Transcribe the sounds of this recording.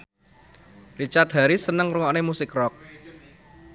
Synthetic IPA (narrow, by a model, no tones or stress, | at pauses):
rit͡ʃart̪̚ɦa̤ɾisənəŋɾuŋɔnemusɪkrɔk̚